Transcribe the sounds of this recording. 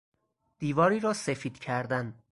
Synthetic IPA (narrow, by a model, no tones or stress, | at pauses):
d̪̥iːvɒːɾiːɾɒːsefiːd̪cʰæɾd̪æn